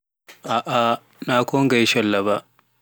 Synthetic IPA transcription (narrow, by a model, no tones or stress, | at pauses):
ʔaːʔa | naːkʷoːŋɡajʃɐlːɐbaːʔ